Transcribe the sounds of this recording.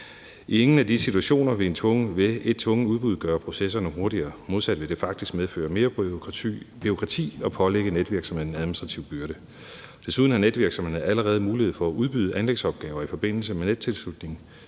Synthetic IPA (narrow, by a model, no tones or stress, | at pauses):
ʔieŋn̩æd̥isit͡sʰuæɕo̝̰ːnɐʋe̝e̝nt͡sʰɔ̽ŋəʋe̝e̝d̥̚t͡sʰʋɔ̽ŋəuðˠb̥uð̞ˠɡ̥ɶːɐpʰʁo̝sesɐnəɦo̝ɐɾiɐːmo̝ð̞ˠsæd̥ʋe̝d̥e̝fɑ̈ɡ̥̚d̥isɡ̥meðˠfø̰ːɐme̝ːɐ | b̥io̝kʰʁɑ̈t͡sʰḭːɒ̽pʰɒ̽leɡ̥əned̥ʋiɐɡ̥sɒ̽mhe̝ðˠn̩æðˠminisd̥ʁɑt͡sʰiʊb̥yɐɾ̥ə | d̥e̝suð̞ˠn̩æned̥ʋiɐɡ̥sɒ̽mheeæləʁɛːð̞̩ˠmuːlihe̝ðˠfɒ̽æʔuðˠb̥yð̞ˠəʔænleɡ̥sɒ̽b̥̚ɡ̥ɛːʊɐifɒ̽b̥e̝n̰l̩səmened̥̚t͡sʰe̝lslud̥ne̝ŋ